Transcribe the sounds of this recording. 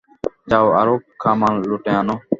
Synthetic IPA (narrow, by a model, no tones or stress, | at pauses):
d͡ʒaːʋa̰ːɾoːp̚kʰːaːmaːnloʈejãːnoː